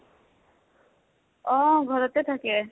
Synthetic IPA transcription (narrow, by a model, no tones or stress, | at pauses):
ɔɡʱɔɾot̪et̪ʰake